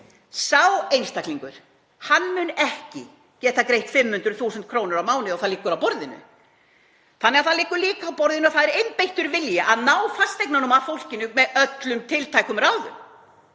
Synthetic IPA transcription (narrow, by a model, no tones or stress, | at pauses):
sawejnst̪akliŋkʏɾ̥ | hanːmʏnɛhcɪ̰ | cɛːt̪akɾejht̪fɪmhʏnt̪ɾʏθuːsʏnt̪̚kʰɾoːwnʏɾawmaːwnɪɔwθaðliːkʏɾawpɔɾðɪnʏ̰ | θanːɛɣaθaðlɪːkʏɾliːkaːwpɔɾðɪnʏɔθaðɛɾejnpejht̪ʏɾvɪljaʔaðnaːwfast̪ejk̚nanumafowl̥cɪnʏmɛðœt̪lʏmt̪ʰɪlt̪ʰajkʏmraːwðʏ̰m